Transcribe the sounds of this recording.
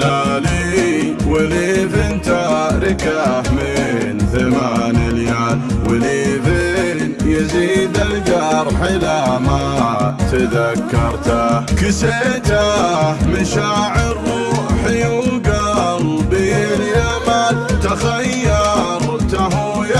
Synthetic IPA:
ali | wɪliθɪnt̪aɾɪkamɪnθamanɪljanwɪlifɪ | njɪziːd̪ɪlɡɑɾˤħɪlama | t̪aðakːɑɾˤt̪akɪset̪amɪʃaːʕɪɾ | ħɪjulɡɑɾˤbiljamat̪axajːɑ | ɾˤt̪aħuja

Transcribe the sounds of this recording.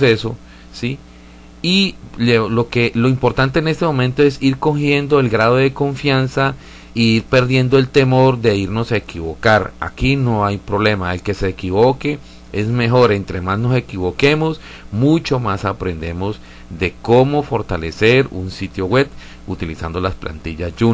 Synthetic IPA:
seso | si | ilelo̞kelo̞impo̞ɾt̪ant̪eːne̞st̪e̞mõ̞mẽnt̪oesiɾko̞xje̞nd̪o̞elɡɾað̞o̞ðe̞ko̞ɱfjansa | iiɾpe̞ɾðje̞nd̪oe̞lt̪e̞mo̞ɾd̪e̞iɾno̞saekiβo̞kaɾa̰kino̞ajpɾo̞βle̞maelke̞se̞ːkiβoke̞ | e̞zme̞xo̞ɾe̞nt̪ɾe̞mazno̞se̞kiβo̞ke̞mo̞s | mut͡ʃo̞masapɾe̞nd̪e̞mo̞z | d̪e̞ko̞mo̞fo̞ɾt̪ale̞se̞ɾṵnsit̪jo̞ɣwe̞b | ut̪ilisand̪o̞laspla̰nt̪iʝazd͡ʒu

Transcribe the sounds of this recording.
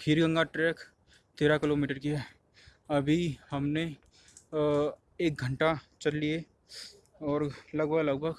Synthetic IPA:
kʰiɾɡə̃ŋɡaʈɾɛːk | t̪eːɾakɪloːmiːʈəɾkijaɦ | ɐbʱihɐmne | eːk̚ɡʱə̃ɳʈat͡ʃɐlːie | ɔːɾlɐɡbʱəɡlɐɡ̚bʱəɡ

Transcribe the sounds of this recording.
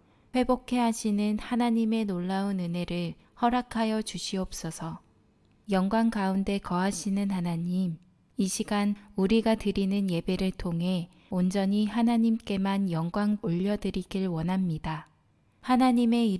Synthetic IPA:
ɸwe̞bokʰe̞ɦaɕʰinɯnhanaɲime̞noɭːaunɯne̞ɾɯɭ | hʌɾakʰajʌt͡ɕuɕʰiʌp̚s͈ʌsʰʌ | jʌŋɡwaŋkaunde̞kʌɦaɕʰinɯnhanaɲim | iɕʰiɡanuɾiɡatɯɾinɯnje̞be̞ɾɯɭtʰoŋɦe̞ | ond͡ʑʌɲiɦanaɲimk͈e̞manjʌŋɡwaŋoʎːʌdɯɾiɡiɭwʌnɦamɲida | hanaɲime̞i

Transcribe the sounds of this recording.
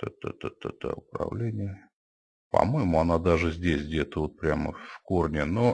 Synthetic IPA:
ɛt̪ət̪t̪ət̪ə̰ʊpɾɐ̰vlʲenʲɪjə | pɐ̰mo̞jɪmʊanad̪aʐɨzʲdʲesʲdʲet̪əvo̞t̪̚pɾʲamə̰fkornʲɪno

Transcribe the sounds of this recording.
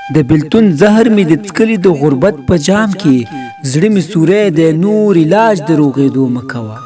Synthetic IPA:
d̪əbɪlt̪unzaɦɾmed̪ət͡skəlid̪əɣʊɾbat̪̚pəd͡ʒɑːmke | zɽəmisuɾed̪ənoɾɪlɑd͡ʒd̪əɾoɣed̪oməkawa

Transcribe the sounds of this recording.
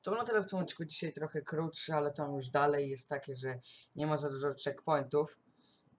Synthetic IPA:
t̪ɔnɔt̪ɛlɛft̪ɔmti̥kud͡ʑiɕajt̪ɾɔxɛkɾutʂɛalɛt̪amjuʐd̪alɛjːɛst̪ːakʲɛʐɛɲɛmazad̪uʐɔtɛkpɔjnt̪uf

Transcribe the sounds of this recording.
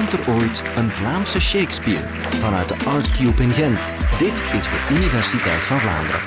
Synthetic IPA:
mtəroːjt | ənvlaːmsəʃejkspiːɹ | vɑnœɥt̚dəʔɑːɹtkjupɪnɣɛntdɪtɪzdəʔynivɛrsitɛjtfɑnvla̰ːndəɾə̰

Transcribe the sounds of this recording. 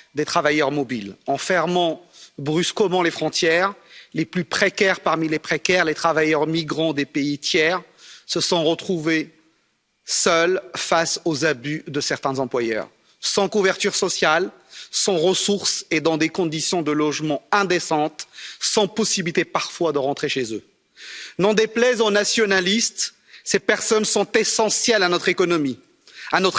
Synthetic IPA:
d̪et̪χavajœʁmɔbilɑ̃fɛʁmɑ̃bʁyskəmɑ̃lefχɔ̃t̪jɛʁleplypχekʲɛʁpaʁmilepχekʲɛʁlet̪χavajœʁmiɡʁɑ̃d̪epeit̪jɛʁ | səsɔ̃ʁət̪χuve | sœlfasozabyd̪əsɛʁt̪ɛ̃zɑ̃plwajœ̰ːʁ | sɑ̃kuvɛʁt̪yʁsɔsjal | sɑ̃ʁəsuʁsed̪ɑ̃d̪ekɔ̃d̪isjɔ̃d̪əlɔʒmɑ̃ɛ̃d̪esɑ̃t̪sɑ̃pɔsibilit̪epaʁfwad̪əʁɑ̃t̪χeʃezø | nɔ̃d̪eplɛzonasjɔnalist̪ | sepɛʁsɔnsɔ̃t̪esɑ̃sjɛlanɔt̪χekɔnɔmi | anɔt̪χ

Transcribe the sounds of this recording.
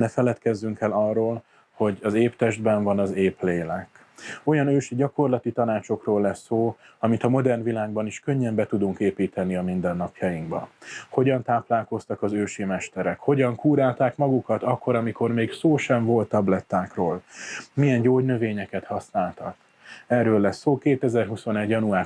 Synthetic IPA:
nɛfɛlɛt̪kɛzːyŋkɛlɒrːoːl | ho̞ɟɒzeːpt̪ɛʒd̪bɛɱvɒnɒzeːpleːlɛk | o̞jɒnøːʃiɟɒko̞rlɒt̪it̪ɒnaːt͡ʃo̞kroːlːɛsːoː | ɒmit̪ɒmo̞d̪ɛrnvilaːɡbɒniʃkø̞ɲːɛmbɛt̪ud̪uŋkeːpiːt̪ɛniɒmind̪ɛnːɒpjɒjiŋɡbɒ̰ho̞ɟɒnt̪aːplaːlko̞st̪ɒkɒzøːʃimɛʃt̪ɛɾɛkho̞ɟɒŋkuːɾaːlt̪aːkmɒɡukɒt̪ɒkːo̞ɾɒmiko̞rmeːɡsoːʃɛɱvo̞lt̪ːɒblɛt̪ːaːkroːlmijɛnɟoːɟnø̞veːɲɛkɛt̪hɒsnaːlt̪ɒk | ɛrːøːlːɛsːoːkeːt̪ɛzɛrɦuso̞nɛɟjɒnuaː

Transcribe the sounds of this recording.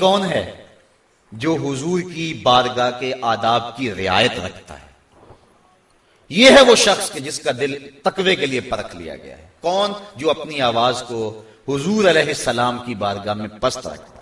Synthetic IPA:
kɔːnɦɛː | d͡ʒoːɦʊzuːɾkibaːɾɡakeʔaːd̪aːb̚kiɾɪa̰ːjət̪ɾɐ̰kʰt̪a̰ɦɛː | jeɦɛʋoʃɐxsked͡ʒɪskad̪ɪlt̪ɐkʋekeliepɐɾəkʰlḭja̰ɡɐ̰ja̰ɦɛkɔːnd͡ʒoːɐpniaːʋaːzko | hʊzuːɾɐlɛːɦɪsːɐlaːmkibaːɾɡamẽpɐst̪ɾɐ̰kʰt̪a

